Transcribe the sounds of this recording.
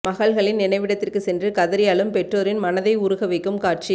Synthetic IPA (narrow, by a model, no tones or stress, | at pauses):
mɐɣɐɭɣɐɭɪnnɪnɐɪʋɪɽɐt̪ːɪrkɯsɛndrɯkɐðɐɾɪjɐːɭɯmpɛʈroːɾɪnmɐnɐðɐɪʊɾʊɣɐʋɐɪkːɯmkaːʈ̚t͡ʃi